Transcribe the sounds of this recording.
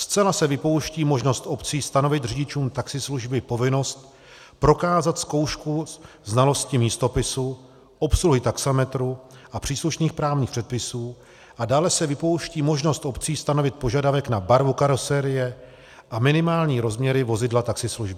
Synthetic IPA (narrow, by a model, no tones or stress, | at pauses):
st͡sɛlasɛvɪpo̞wʃciːmo̞ʒno̞st̪ʔo̞pt͡siːst̪ano̞vɪt̪riɟɪt͡ʃuːmt̪aksɪsluʒbɪpo̞vɪno̞st̪̚ | pɾo̞kaːzat̪sko̞wʃku | znalo̞scɪmiːst̪o̞pɪsu | ʔo̞psluɦɪt̪aksamɛt̪ɾuʔapr̝̥iːsluʃniːxpɾaːvɲiːxpr̥ɛt̪̚pɪsuː | ʔadaːlɛsɛvɪpo̞wʃciːmo̞ʒno̞st̪ʔo̞pt͡siːst̪ano̞vɪt̪̚poʒadavɛknabaɾvukaɾosɛɾɪjɛ | ʔamɪnɪmaːlɲiːɾo̞zmɲɛɾɪvo̞zɪdlat̪aksɪsluʒbɪ